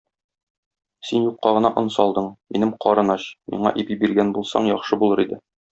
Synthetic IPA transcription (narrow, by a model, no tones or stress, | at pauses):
sinjuqːɑʁɤ̆nɑʔŏnsɒlˠd̪ɤɴminɘmqɒɾɤ̆nɑɕmḭɴɑʔibibiɾɡænbulˠsɑ̰ɴjɒχʃɤbulˠɤɾid̪ɘ